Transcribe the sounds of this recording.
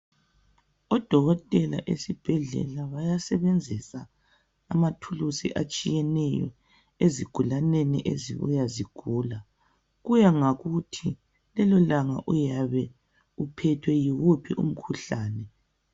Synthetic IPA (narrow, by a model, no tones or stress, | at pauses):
ɔd̥ʱɔɣɔtʼɛla̰ʔesib̥ʱɛɮɛ̰laβajasɛβend͡zʱisaː | matʰulusḭʔat͡ʃʼijɛnɛjɔ̰ | eziɡ̥ʱulanɛnḭʔezḭβṵjaziɡ̥ʱuːla | ɣujaŋaɣutʰi | lɛlɔlaŋa̰ʔujaβɛ | upʰɛtʰwɛjiɣupʰḭʔṵm̩kʰuɬaːnɛ